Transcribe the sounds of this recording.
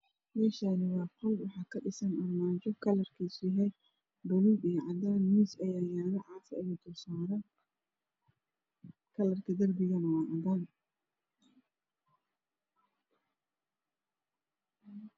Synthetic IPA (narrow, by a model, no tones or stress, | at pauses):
mɛːʃaːnɪwɑːqɔlwɑħɑːkʰɐɖɪsɐnɐrmaːt͡ʃɔkʰɐlɐrkʰisɪɦɛ | bʊluːbɛːʕɑd̪aːnmiːsɐjaːjaːðɐʕɑːfɐɛjʊd̪ʊsɔːɾɐ | kʰɐlɐrkʰɐd̪ɐrbɪɣɐnɐwɑːʕɑd̪aːn